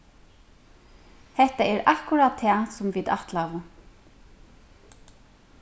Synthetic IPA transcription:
hɛht̪aɛɾakʊɾad̪t̪ʰːɛːsʊmvid̪aht̪lava

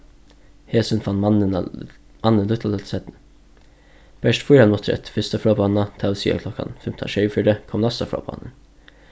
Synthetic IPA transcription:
heːsənfɑnmɑnən | mʔɑnənlʉt̪ʰɑɛsɛt̪n̩ | b̥æʃtfuɾɑnmɔt̪ʰɾɛ̰t̪fʏst̪ɑfɑːbʰɑnɑt̪ʰɑʊsḭːɑ̰kʰlɔkɑ̰nfɛmt̪ʰɑ̰ʃœʏfʏɖəkʰɔmlɑst̪ɑfɾɑ̰ːbʰɑ̰nə̰n

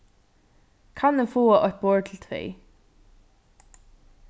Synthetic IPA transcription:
kʰanɛfoːaʔɔht̪̚bɔːɹt̪ʰɪlt̪ʰɾɛ̰ː

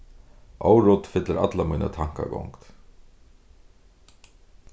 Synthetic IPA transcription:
ʔɔwɾʊt̪fɪt̪laɾa̰t̪lamiːna̰t̪ʰaŋ̥ka̰ɡɔwŋkt̪

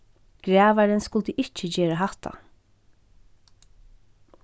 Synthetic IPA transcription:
ɡ̥ɾæːʋaɾɛnskʊlt̪əʔɪt͡ʃːəd͡ʑeːɾaɦaht̪a̰

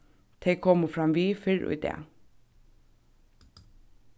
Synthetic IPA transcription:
t̪ʰeɪkʰɔmʊfɾamʋiːfɪɹʊ̰jd̪ɛ̰ː

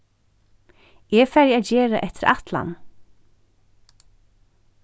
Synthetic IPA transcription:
ɛfæɾjaːd͡ʒɛːɾaʔɛt̪ɪɾa̰t̪la̰n

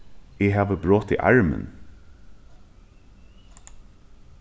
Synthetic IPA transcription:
ehɑːʋəbɹoːt̪ḭːʔɑ̰ɹmə̰n

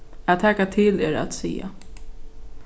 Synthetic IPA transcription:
aðt̪ʰæːkat̪ʰɪleɾa̰t̪sḭːa̰

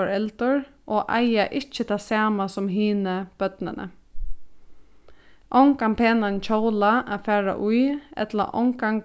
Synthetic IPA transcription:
ɹɛlt̪ʊɹ | ʔɔːʔa̰jaʔɪt͡ʃːət̪ʰasaːmasʊmɦiːnəb̥œt̪nɪnʔə̰ | ʔɔwŋkampʰeːnant͡ʃʰowlaʔafæːɹa̰ʔujɛ̰t̪la̰ʔɔ̰ŋkaŋ

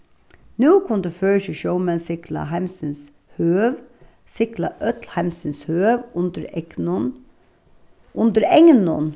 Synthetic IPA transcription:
nuːkʰʊnd̪eføːɾəsɪʃoʊmɛnsɪklɑ̰ɦæɪmsəns | høːʋ | sɪklɑʔœt̪lhæɪmsənshøːʋʊnd̪əɾɛnn | ʔʊnd̪əɾɛŋnɔ̰n

